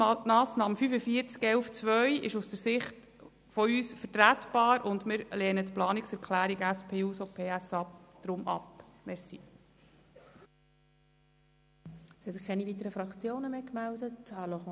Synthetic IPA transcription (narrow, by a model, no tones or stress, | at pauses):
mɑːsnɑːmfyfəfiəɾt͡skɛlft͡sʋœjʔɪ̰ʃusd̥əɾsɪχt | fɔyːsfəɾtɾætb̥ɑːɾʊndmɪɾlɛːnətplɑːniksɛɾkʰlæːɾiɡəæspʰeːuːsopʰeːæsɑd̥ɾʊmʔɑ̰pmɛsi | sihɛsɪχkʰɛnivit̪əɾəfɾɑkt͡sjoːnəmeːkmældətɑloχ